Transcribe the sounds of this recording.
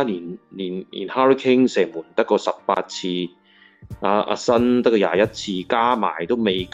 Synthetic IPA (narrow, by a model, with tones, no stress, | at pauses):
liː˨˩nliː˨˩nḭ˨˩nhaː˦˥ɹi˥kʰɪ˥ŋsɛː˨˩ŋmuː˨˩nt̪ɐ˥kːɔː˧sɐ˨p̚pa̰ː˧t̚t͡sʰiː˧ | ʔaː˧ʔa̰˧sɐ˥nt̪ɐ˥kːɔ˧ja̰ː˧jɐ˦˥t̚t͡sʰiː˧kaː˥ma̰ː˨˩jt̪o˥wme˨˧jk